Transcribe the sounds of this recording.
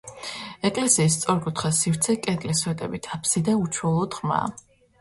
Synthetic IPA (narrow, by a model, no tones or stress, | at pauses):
ɛkʼlɛsiːs̬t̪sʼɔɾkʼut̪ʰχasift̪sʰɛkʼɛd̪lisɛd̪ɛ̰bit̪ʰapʰsid̪aut͡ʃʰwɔlˠɔd̪ʁma̰ː